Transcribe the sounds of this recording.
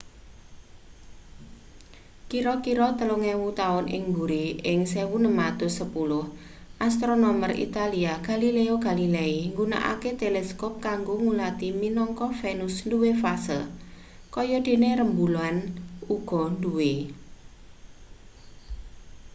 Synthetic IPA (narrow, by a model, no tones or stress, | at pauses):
kiɾɔkiɾɔt̪əloŋɛwut̪aʊnʔɪ̰ŋmbuɾiɪŋsewunəmad̪̥osəpulʊh | ʔast̪ɾonɔmərḭt̪aliaɡ̥a̤lileoɡ̥a̤lileiŋɡuna̰ʔa̰ket̪elɛskɔp̚kaŋɡoŋulat̪iminɔŋkɔfenʊsnduwefasəl | kɔjɔd̪̥e̤neɾəmbuloanuɡ̥ɔ̤nduwe